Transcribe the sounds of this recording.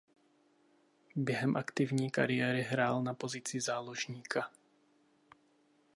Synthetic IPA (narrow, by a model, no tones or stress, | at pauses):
bjɛɦɛmʔakt̪ɪvɲiːka̰ɾɪjɛːɾɪɦɾaːlnapo̞zɪt͡sɪzaːloʒɲiːkʰa